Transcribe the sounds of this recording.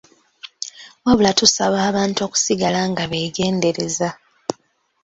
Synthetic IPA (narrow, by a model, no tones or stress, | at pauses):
waβulatusaβaːβaːntuo̞ːku̥siɡalaŋɡaβe̞ːɡe̞ːnde̞ɾe̞za